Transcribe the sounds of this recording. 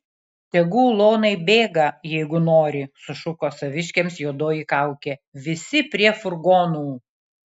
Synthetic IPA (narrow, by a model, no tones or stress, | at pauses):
t̪ʲɛɡuːlˠoːnɐɪbʲeːɡɐjɛɪɡʊnoːɾʲɪsʊʃʊkoːsɐʋʲɪʃʲkʲeːmsjuɔd̪oːjikɐˑʊkʲeʋʲɪsʲɪpʲɾʲiɛfʊɾɡoːnuː